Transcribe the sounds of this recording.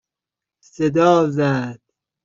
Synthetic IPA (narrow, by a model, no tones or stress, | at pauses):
sed̪ɒːzæd̪̥